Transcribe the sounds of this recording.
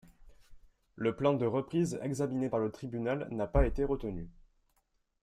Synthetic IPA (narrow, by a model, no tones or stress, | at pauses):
ləplɑ̃d̪əʁəpχizɛ̰ɡzaminepaʁlət̪χibynalnapaet̪eʁət̪əny